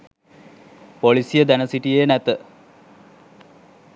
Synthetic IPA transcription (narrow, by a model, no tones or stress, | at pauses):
polisijəd̪ænəsiʈijeːnæt̪ə